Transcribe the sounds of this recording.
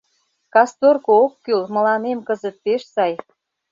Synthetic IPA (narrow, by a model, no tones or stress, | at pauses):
kɑst̪orkookːylmə̆lɑmemkəzə̆t̪̚peʃsɑj